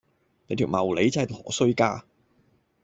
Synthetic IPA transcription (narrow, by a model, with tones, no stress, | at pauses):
ne˨˧jt̪ʰi˨˩wmɐ˨˩wle˨˥jt͡sːɐ˨˩jlɔː˨˩sɵ˥ɥkaː˥